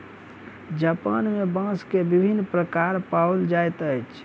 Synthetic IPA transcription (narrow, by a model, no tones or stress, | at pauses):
d͡ʒapanmebə̃skebibʱinːpɾəkaɾpawld͡ʒajt̪əjt͡ʃʰ